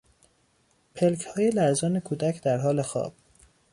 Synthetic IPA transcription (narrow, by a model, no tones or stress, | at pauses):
pʰelcʰhɒːjelæɾzɒːnekʰuːd̪æcʰd̪æɾɦɒːle̞xɒ̰ːb̥̚